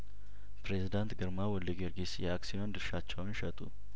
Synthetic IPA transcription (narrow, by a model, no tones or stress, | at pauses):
pɾezid̪ant̪ɡɨɾmawɔlːiɡeɾɡisjɛaksijond̪ɨɾʃat͡ʃːɛwnʃɛt̪ʼṵ